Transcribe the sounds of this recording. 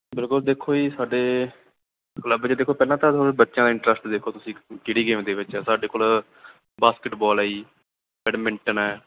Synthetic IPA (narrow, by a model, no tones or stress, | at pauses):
bɪlkʊld̪eːkʰoːiːsaːɖeː | kləbt͡ʃeːd̪eːkʰːoːpɛːlãːt̪ãːt̪oːbətːʃãːd̪aːɪɳʈɾəsʈd̪eːkʰːoːt̪ʊsĩːkɪɽiːɡeːmd̪eːʋɪt͡ʃɛːsaːɖeːkoːl | baːskɪʈbɔːlaːiː | bɛːɖmɪɳʈənɛː